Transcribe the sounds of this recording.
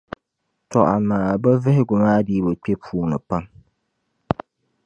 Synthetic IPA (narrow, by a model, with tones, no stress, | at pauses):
tʰɔ˨ʔa˨naː˨ba˦vɪ˦hɪ˦ɡʊ˨ŋaː˦diː˦bɨ˨k͡pʲɛ˦pʰuː˨˦nɨ˨pa˦ŋ